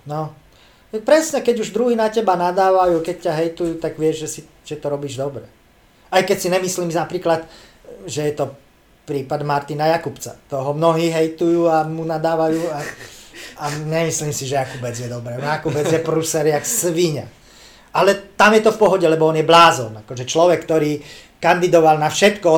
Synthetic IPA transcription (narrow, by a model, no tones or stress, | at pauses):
nɔ | pɾɛsɲɛkɛɟuʒd̪ɾuɦiːnacɛbanad̪aːʋajuːkɛc̚caɦɛjt̪ujuːt̪aɡʋɪɛʒʒɛsi | ʒ̥ɛt̪ɔɾɔbiːʒd̪ɔbɾɛ | ajkɛcsinɛmisliːmnapɾiːklat̪ | ʒɛjɛt̪ɔ | pɾiːpad̪maɾt̪inajakupt͡sa̰t̪ɔɦɔmnɔɦiːɦɛjt̪ujuːamunad̪aːʋajuːa | aɲɛmisliːmsiʒɛjakubɛd͡zjɛd̪ɔbɾɛːnakubɛd͡zjɛpɾusɛɾjaksʋiɲa̰ | alɛt̪amjɛt̪ɔfpɔɦɔɟɛlɛbɔɔnjɛblaːzɔnakɔʒɛt͡ʃlɔʋɛkːt̪ɔɾiː | kand̪id̪ɔʋalnafʃɛt̪kɔ